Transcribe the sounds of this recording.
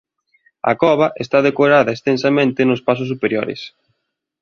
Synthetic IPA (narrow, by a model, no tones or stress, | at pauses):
ɐ̰kɔβɐʔest̪aðekoɾaðɐest̪ensɐmẽnt̪ɪnʊspas̬ʊs̬ːupeɾjoɾɪ̰s